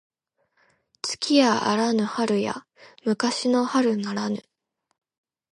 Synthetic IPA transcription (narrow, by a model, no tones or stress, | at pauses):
t͡sɨ̥kʲʰiaʔa̰ɾanɯ̟haɾɯ̟ja̰ | mɯ̟kaɕino̞haɾɯ̟naɾanɯ̟̰